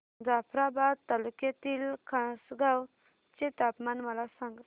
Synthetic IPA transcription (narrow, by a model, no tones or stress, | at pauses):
d͡zapʰɾabad̪̚t̪aluket̪ilkʰãsɡaw | t͡ʃet̪apmanməlasãŋɡ